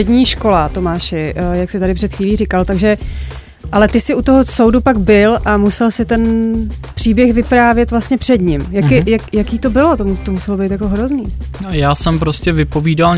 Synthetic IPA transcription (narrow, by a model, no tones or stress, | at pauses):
ɛdɲiːʃko̞lat̪o̞maːʃɪʔjaksɪt̪aɾɪpr̥ɛt̪xʋiːliːrɪkalt̪aɡʒɛ | ʔalɛt̪ɪsɪʔut̪o̞ɦosowdupaɡbɪlʔamusɛlsɪt̪ɛn | pr̥iːbjɛxvɪpɾaːvjɛt̪vlast̪ɲɛpr̝̥ɛd̪ɲɪmjaɪjakjakiːt̪o̞bɪlo̞t̪omt̪omusɛlobejt̪jako̞ɦɾo̞zniːjaːsɛmpɾoscɛvɪpo̞viːdal